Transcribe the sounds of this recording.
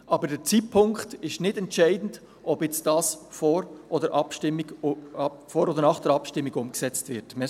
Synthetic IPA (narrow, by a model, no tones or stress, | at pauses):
ʔɑbəɾdɛɾt͡siːt̚pʰʊŋkχtɪʃnɪdɛntt͡ʃɛɪdn̩d | ʔɔbjɛt͡st̚d̥ɑːsfɔɾʔɔdəɾʔɑpʃtɪmːiɡ | foɾodəɾnɑχd̥əɾɑpʃtɪmːiɡʊmksɛt͡stvɪɾtmɛ